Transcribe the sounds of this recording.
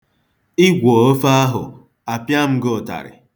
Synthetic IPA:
ɪ˦ɡʷo˨o˦fa˦a˦ɦʊ̰˨ | a˨pja˦m̩˦ɡʊ˨ta̰˨ɾɪ̰˨

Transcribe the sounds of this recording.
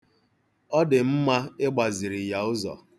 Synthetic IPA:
ɔ˦dɪ˨m̩˦ma˦ɪ˦ɡ͡ba˨zɪ˨ɾɪ˨ja˨ʊ˦zɔ̰˨

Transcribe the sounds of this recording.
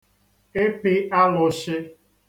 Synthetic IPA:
e˦pɪ˦a˦lʊ˨ʃɪ˦

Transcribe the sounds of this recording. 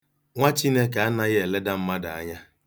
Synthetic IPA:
ŋʷa˦t͡ʃi˦ne˦ka˨a˦na˦ɣe˨le˦da˦m̩˦ma˦da˨a̰˦ɲa˦

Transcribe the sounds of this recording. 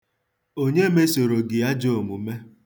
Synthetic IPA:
o˦ɲe˦me˦so˨ɾo˨ɡɪ˨a˦d͡ʒo˦˨o˨mu˨me˦

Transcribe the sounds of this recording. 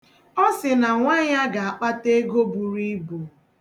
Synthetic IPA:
ɔ˦sɪ˨na˨ŋʷa˦ɲa˦ɡa˨a˨k͡pa˦te˦ɡo˦bu˨ɾi˦bu˨

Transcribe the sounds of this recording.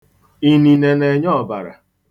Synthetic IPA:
i˦ni˨ne˨ne˨ɲɔ˦˨ba̰˨ɾa̰˨

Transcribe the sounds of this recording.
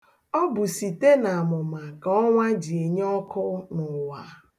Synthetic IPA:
ɔ˦bʊ˨si˨te˦na˨a˨mʊ˨ma˨ka˨ɔ˦ŋʷa˦d͡ʒi˨e˨ɲ˦ɔ˦kʊ˦nʊ˨wa˨

